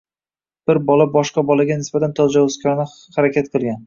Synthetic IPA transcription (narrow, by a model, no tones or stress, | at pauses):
b̥ɪɾbɒlabɒʃqɑbɒlaɡʲanɪsbat̪ʰant̪ʰɒd͡ʒawʊskʲʰɒnɪ | haɾakʲʰat̪̚qʰɨlˠɡʲan